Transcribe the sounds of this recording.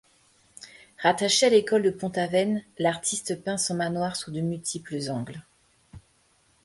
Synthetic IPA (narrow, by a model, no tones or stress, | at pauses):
ʁat̪aʃealekɔld̪əpɔ̃t̪avɛnlaʁt̪ʰist̪əpɛ̃sɑ̃manwaʁsud̪əmylt̪ʰipləzɑ̃ɡl